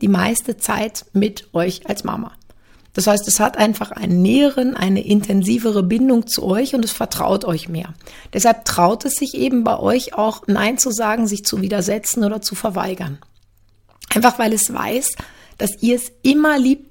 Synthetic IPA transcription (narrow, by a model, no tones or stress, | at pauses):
d̥iːmaɪstət͡sa̰ɪtmɪtʔɔʏçalsmʔa̰ma̰ | d̥ashaɪstɛshatʔaɪnfaχʔa̰ɪnənːɛːəʁənʔa̰ɪnə̰ʔɪntʰɛnziːvəʁəbɪndʊŋt͡sṵʔɔʏçʊntɛsfɛɐtʁ̥a̰ʊtʔɔʏçmeːɐ | d̥ɛshalp̚tʁ̥aʊtɛsz̥ɪçʔeːbm̩baɪʔɔ̰ʏçaʊxna̰ɪnt͡suzaːɡŋ̩zɪçt͡suviːdɐzɛt͡sn̩oːdɐt͡sufɛɐva̰ɪɡɐn | ʔaɪnfaχv̥aɪlɛsv̥a̰ɪs | d̥asiːɐɛsʔɪmɐliːp̚t